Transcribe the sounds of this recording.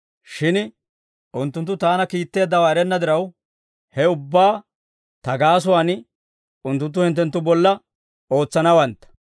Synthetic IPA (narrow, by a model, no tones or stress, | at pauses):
ʃɪn | ʔʊnt̪ːʊnt̪ːʊt̪aːnɐkiːt̪ːe̞ːd̪ːɐwaːɪɾɛnːɐd̪ɪɾɐw | hɛʊbːaː | t̪ɐɡaːs̬ʊwaːn | ʊnt̪ːʊnt̪ːʊhɪnt̪ːɛnt̪ːʊbɔlːɐ | o̞ːt͡sːɐnɐwɐnt̪ːɐ̥